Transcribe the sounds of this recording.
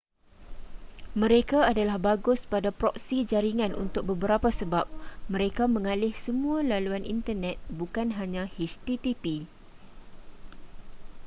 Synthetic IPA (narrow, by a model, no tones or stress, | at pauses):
mə̃ɾekaːdalahbaɡʊspadapɾɔksid͡ʒaɾiŋãnʔṵnt̪ʊk̚bəbəɾapasəbap̚mə̃ɾekamə̃ŋalɪhsəmũãlaluanʔḭnt̪ərnɛt̪̚bukanɦaɲãhiʃt̪it̪ipi